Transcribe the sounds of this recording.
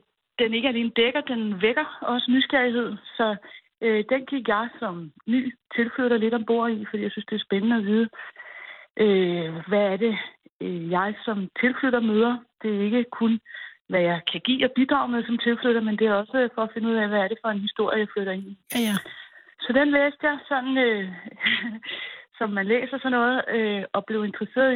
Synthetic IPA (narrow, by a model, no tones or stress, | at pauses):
d̥ene̝ɡ̥əæle̝ːnəd̥eɡ̥ɐd̥enʋeɡ̥ɐɒ̽sənysɡ̥æɐiɦe̝ð̰ˠsɒ̽ | d̥enɡ̥i̥jɑ̈ɪsɒ̽mny̰ːt͡sʰe̝lfløɾɐle̝ɾ̥ɒ̽mb̥o̝̰ɐ̰ifd̥ḭːjɑasynsd̥e̝æɐsb̥enənəɒʋiːð̞ˠə | ʔøʋææɐɾe̝ | jɑ̈ɪsɒ̽mt͡sʰe̝lfløɾ̥ɐmøːð̞ˠɐd̥e̝e̝ɡ̥əkʰunʋæjɑ̈ɪkʰæɡ̥ḭːɒ̽b̥id̥ʁɑ̈ʊmeðˠsɒ̽mt͡sʰe̝lflyɾ̥ɐmend̥e̝æɐɒ̽səfɒ̽ːfe̝nəuð̰ˠɛʋæːɐɾe̝fɒ̽e̝nhisd̥o̝ɐ̰jəjɑ̈ɪfløɾ̥ɐe̝ni | sɒ̽d̥enlḛːsd̥jɑ̈ɪsɒ̽nn̩ø | sɒ̽mːænlḛːsɐsɒ̽nɔ̽ːð̞̩ˠøɒ̽b̥le̝ʊe̝nd̥ʁɐse̝̰ːɐðˠ